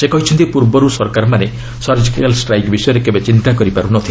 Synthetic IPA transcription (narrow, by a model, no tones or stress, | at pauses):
sekɔɦit͡ʃʰɔnt̪ipuɾbɔɾusɔɾkaɾɔmane | sɔɾd͡ʒikialsʈɾajkbisɔjɔɾekebet͡ʃint̪akɔɾipaɾunɔt̪ʰile